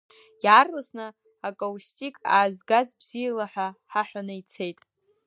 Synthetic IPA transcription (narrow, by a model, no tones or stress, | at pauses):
jaːrlasnɨ | akʼowustʼikʼa̰ːzɡazbz̥ijalaħʷᶣaħaħʷᶣanɨjt͡sʰe̞jtʼ